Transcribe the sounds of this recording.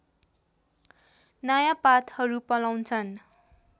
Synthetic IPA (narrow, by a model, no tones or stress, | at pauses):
najapat̪hʌɾupʌlawnt͡sʰʌn